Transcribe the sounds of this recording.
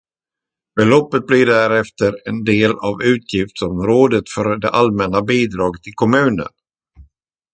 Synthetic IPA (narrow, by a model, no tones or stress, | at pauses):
b̥ɛlɔpːət̪̚blɪɖæɾɛft̪əɾɛnd̪eːlavʉ̟ːt̪ʰjɪft̪sɔmɾoːd̪ət̪fœɾd̪ɛ̰ʔalmɛnːabiːd̪ɾɑːɡət̪ʰːɪlkʰɔmʉ̟ːnə̰n